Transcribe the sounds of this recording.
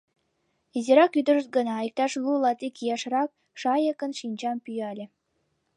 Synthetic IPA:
iziɾɑkyd̪ə̆ʐə̆t̪̚ɡɤ̆nɑjik̚t̪ɑʃlˠulˠɑt̪ikʲijɑʃrɑk̚ | ʃɑjə̆kə̆nʃinʲt͡ɕɑmpyjɑlʲĕ

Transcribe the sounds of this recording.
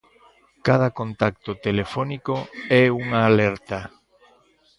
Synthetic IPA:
kað̞ɐkont̪ak̚t̪ot̪elefɔnikoɛuŋaːlɛɾt̪a

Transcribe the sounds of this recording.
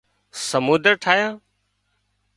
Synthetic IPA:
səmuːd̪əɾʈʰaːjãː

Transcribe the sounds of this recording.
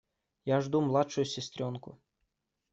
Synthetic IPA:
jaʐd̪umlˠatʂʊjʊsʲɪsʲt̪ɾʲonkʊ̰

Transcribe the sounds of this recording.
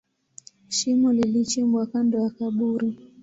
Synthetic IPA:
ʃimɔlilit͡ʃimbwakandɔakaɓuɾi

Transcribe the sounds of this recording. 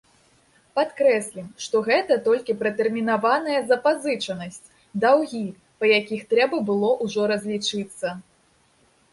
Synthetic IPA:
pat̪kɾɛsʲlʲimʂt̪ɔɣɛt̪ɐt̪ɔlʲkʲipɾɐt̪ɛrmʲinavanɐjɐzɐpazɨt͡ʂɐnɐsʲt͡sʲ | d̪awɣʲi | pɐjakʲixt̪ɾɛbɐbɨlˠɔʔuʐɔɾɐzʲlʲit͡ʂɨt̪sːɐ

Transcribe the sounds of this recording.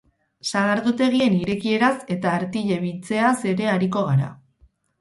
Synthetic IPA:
saɣ̞aɾðut̪e̞ɣ̞ie̞niɾe̞kie̞ɾase̞t̪aːɾt̪iʎe̞β̞it͡se̞ase̞ɾe̞aɾiko̞ɣ̞aɾa̰

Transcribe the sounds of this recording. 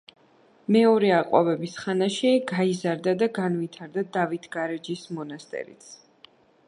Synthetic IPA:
mɛɔɾɛaqʼwɔ̰bɛbisχanaʃiɡaizaɾd̪ad̪aɡanvit̪ʰaɾd̪ad̪avit̪ʰɡaɾɛd͡ʒismɔnast̪ʼɛ̰ɾḭt̪sʰ

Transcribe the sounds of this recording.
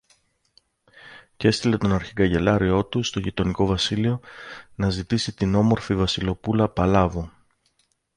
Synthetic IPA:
ce̞st̪ile̞t̪o̞nɐɾçiɡɐʝe̞lɐɾio̞t̪ust̪o̞ʝit̪o̞niko̞vɐsilio̞nɐzit̪isit̪ino̞mo̞ɾfivɐsilo̞pulɐpɐlɐvu

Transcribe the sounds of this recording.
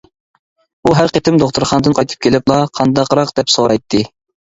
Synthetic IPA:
uɦæɾqet̪ʰɪmd̪oχt̪ʰʊɾχɑnd̪ɨnqʰɑjt̪ʰɨ̥p̚kʲʰelɪplˠɑqʰɑnd̪ɑqɾɑqd̪̥ɛpsoɾɑjt̪ʰːɨ

